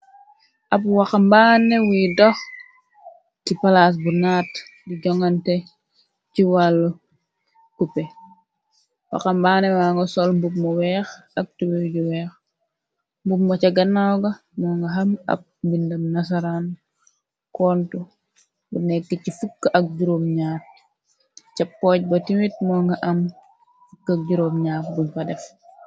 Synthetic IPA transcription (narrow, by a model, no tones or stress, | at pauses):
ʔɐpwaxambaːnɛwidɔx | tipalas̬bunaːtdiɟɔŋantɛ | ciwalːu | kupɛ | wa̰xambaːnɛwaːŋɡɐsɔlmbup̚mɔwɛːxɐk̚tiwɛɟuwɛːx | mbupmɔt͡ʃɐɡɐnːawɡɐ | mɔːŋɡɐɦɐmɐ̰p̚mbindɐmnas̬aɾan | kɔːntu | bunɛkːəcifukːʔɐk̚ɟuɾoːmɲaːt̚ | cɐpːɔːc̚bɐtimit̚mɔŋɡɐʔɐm | fukːak̚ɟuɾoːmɲaːt̚bumfɐdɛf